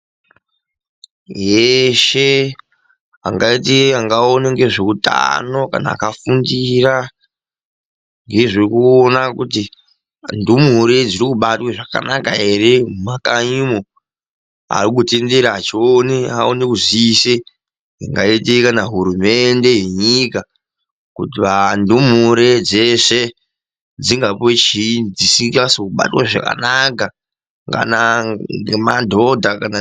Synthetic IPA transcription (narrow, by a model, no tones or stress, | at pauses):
jeʃe | a̰ŋɡaiteaŋɡaoneŋɡe̞ʐeuta̰no̞ka̰na̰ːkafundira | ŋɡe̞ʐikuonakuti | ndumuuɾed͡ziɾikuɓatweʐaka̰naka̰ɦe̞re̞makaɲimo | a̰rikute̞nde̞ɾaːt͡ʃioneaonekuziise | iŋɡaetekanaɦuɾume̞nde̞je̞ɲika | kutiʋandum̤uɾe̞d͡zeʂe | d͡ziŋɡapot͡ʃid͡zisikasokuɓa̰twaʐa̰ka̰naka | ŋka̰naemadʱo̞dʱakana